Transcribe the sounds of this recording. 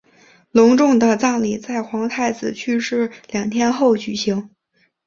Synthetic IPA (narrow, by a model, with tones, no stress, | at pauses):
lʊ˧˥ŋʈ͡ʂʊ˥˩ŋd̪ə˨t͡sɑ˥˩ŋli˨˩t͡sa˥˩ɪxwɑ˧˥ŋt̪ʰa˥˩ɪt͡sɹ̩˨˩t͡ɕʰy˥˧ʂɻ̩˥˩ljɑ˨˩ŋt̪ʰjɛ˥nxo˥˩ʊt͡ɕy˨˩ɕi˧˥ŋ